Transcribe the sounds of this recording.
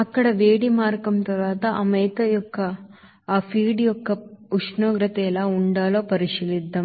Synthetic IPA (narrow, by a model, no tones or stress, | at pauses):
ɐkːɐɽɐʋeːɽimaːɾkɐmt̪ɐɾaːt̪ɐʔɐmɐjt̪ɐjɔkːɐ | aːpʰiːɽijɔkːɐuʂnoːɡɾɐt̪elaːuɳɖaːloːpɐɾiʃilid̪ːɐm